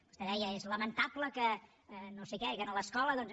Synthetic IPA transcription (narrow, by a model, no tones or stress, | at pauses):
ku̥st̪ɛðɛjəezləmənt̪apləkə | nosekɛkənələskɔləðɔnz